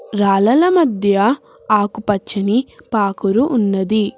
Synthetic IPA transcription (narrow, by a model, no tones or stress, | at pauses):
ɾaːlɐlɐmɐd̪ʱjɐ | aːkupɐt͡ʃːɐnipaːkuɾuʔːnːɐd̪i